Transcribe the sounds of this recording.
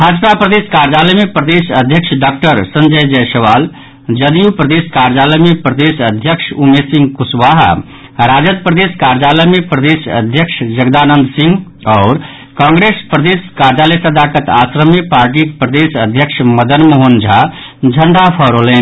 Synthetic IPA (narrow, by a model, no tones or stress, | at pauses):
bʱad͡ʒpapɾəd̪eskaɾd͡ʒaləjmipɾəd̪esəd̪ʱjəkʃʰɖak̚ʈəɾsənd͡ʒəjd͡ʒəjsəʋal | d͡ʒəd̪ijupɾəd̪eskaɾd͡ʒaləjmipɾəd̪esəd̪ʱjəkʃʰumesĩŋɡkusʋaɦ | ɾad͡ʒəd̪̚pɾəd̪eskaɾd͡ʒaləjmipɾəd̪esə̰d̪ʱjəkʂʰd͡ʒəɡd̪anənd̪sĩŋɡ | ɔːɾ | kãːŋɡɾespɾəd̪eskaɾd͡ʒaləjsəd̪ʱakət̪a̰sɾəmipaːɾʈ̬ikpɾəd̪esəd̪ʱjəkʃʰməd̪ənmoɦond͡ʒʱa | d͡ʒʱəɳɖapʰəɾolen